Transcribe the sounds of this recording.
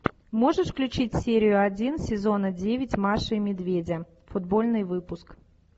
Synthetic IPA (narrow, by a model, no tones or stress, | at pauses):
moʐɨʂfklʲʉt͡ɕit͡sʲsʲeɾʲɪjʊad͡zʲinsʲɪzonəd͡zʲevʲɪt͡sʲmaʂɨmʲɪd̪vʲed͡zʲɐ | fʊd̪bolʲnɨjvɨpʊsk